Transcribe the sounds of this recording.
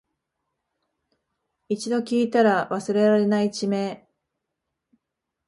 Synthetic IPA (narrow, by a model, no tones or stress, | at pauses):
it͡ɕid̪o̞kʲiːt̪aɾaβasɨɾe̞ɾaɾe̞nait͡ɕime̞ː